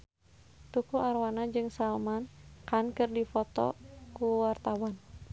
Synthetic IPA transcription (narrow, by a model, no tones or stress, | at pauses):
t̪ukuʔarwanad͡ʒɨŋsalmankankɨrdifɔt̪ɔ̰kuwart̪awan